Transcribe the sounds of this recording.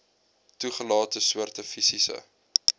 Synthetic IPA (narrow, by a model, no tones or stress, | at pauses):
tuχəlɑːtəsuərtəfisisə̰